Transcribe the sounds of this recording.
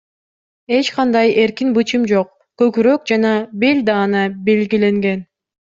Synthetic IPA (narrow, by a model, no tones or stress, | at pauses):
e̞t͡ʃqɑnd̪ɑje̞ɾkinbɯt͡ʃɯmd͡ʒo̞q̚ | køkyɾøk̚d͡ʒɑnɑbe̞lʲd̪ɑːnɑbe̞lɡile̞ŋɡe̞n